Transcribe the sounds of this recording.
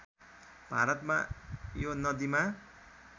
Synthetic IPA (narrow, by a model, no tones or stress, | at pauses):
b̥ʱa̰ɾʌt̪ma̰jonʌd̪ima